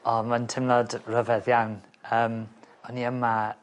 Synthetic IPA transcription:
ɔmantʰɪmnɔdrəvɛðjawnəːm | ɔniəma

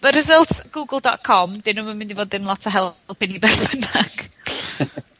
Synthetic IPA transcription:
b̥əɾɪzəlˠtɡ̥uːɡəl̩ˠdɔ̰t̚kʰɔmdɪnumamɪ̃ndivoːd̪ðɪnlˠɔtʰaɦɛpʰɪnibɛrbənaɡ̥

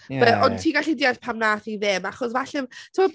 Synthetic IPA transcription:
bɛʔɔntʰiːɡaɬidiarpʰamnaːθiðɪmaχɔsvaɬɛmtʰɔɔ

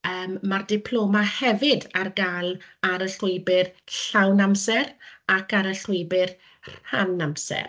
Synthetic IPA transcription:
əːmːardɪpʰl̥ˠoːmahɛvɪdarɡalaɾəɬʊɨbɪrɬawnamsɛɾakaɾəɬʊjbɪr | ranamsɛ̰r

